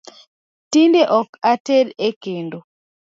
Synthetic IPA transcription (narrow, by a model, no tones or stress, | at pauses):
tindeʔɔkateɾekendo